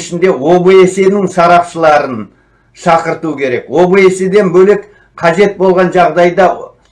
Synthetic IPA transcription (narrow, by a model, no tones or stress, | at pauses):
ʃɪnd̪e̞wo̞bəe̞se̞nɪŋsɑɾɑpʃəlˠɑɾən | ʃɑqəɾt̪ukʲʰe̞ɾe̞kwo̞bəe̞se̞d̪e̞nbɵlek | qʰɑʒe̞t̪̚bo̞lˠʁɑnʒɑʁd̪ɑjd̪ɑ